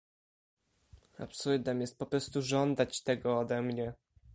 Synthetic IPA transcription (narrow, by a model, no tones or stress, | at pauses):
a̰psuld̪ɛmjɛst̪̚pɔpɾɔst̪uʐɔnd̪at͡ɕt̪ɛɡɔːd̪ɛmɲɛ